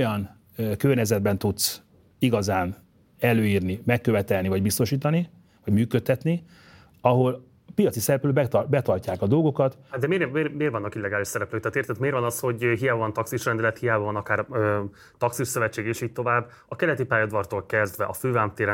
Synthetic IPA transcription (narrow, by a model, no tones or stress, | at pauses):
ojɒn | kørɲɛzɛd̪̚bɛnt̪ut̪s | iɡɒzaːn | ɛløːjiːrnimɛkːø̞vɛt̪ɛlnivɒɟbist̪o̞ʃiːt̪ɒni | vɒɟmyːkøt̪ːɛt̪ni | ɒɦo̞l | pijɒt̪sisɛɾɛpløːbɛbɛt̪ɒrcaːkɒd̪o̞lɡo̞kɒt̪d̪ɛmeːmeːrmeːrvɒnːɒkilːɛɡaːliʃsɛɾɛpløːkt̪aːt̪eːrt̪ɛt̪meːɾvɒnɒsho̞ɟɦijaːbɒvɒnt̪ɒksiʃrɛnd̪ɛlɛt̪hijaːbɒvɒnɒkaːrøː | t̪ɒksiʃsøvɛt͡ʃːeːɡeːʃiːc̚t̪o̞vaːbː | ɒkɛlɛt̪ipaːjɒd̪vɒrt̪oːlkɛzd̪vɛʔɒføːvaːmt̪eːɾ